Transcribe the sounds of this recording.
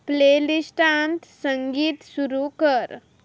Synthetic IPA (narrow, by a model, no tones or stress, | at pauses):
pleːlisʈant̪səŋɡiːt̪suɾukəɾ